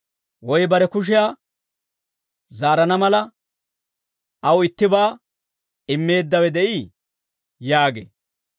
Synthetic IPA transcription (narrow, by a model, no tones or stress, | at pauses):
wɔjbɐɾɛkʊʃ̬ɪjaː | zaːɾɐnɐmɐlɐ | ɐwɪt̪ːɪbaː | ɪmːe̞ːd̪ːɐwɛd̪ɛʔiː | jaːɡḛː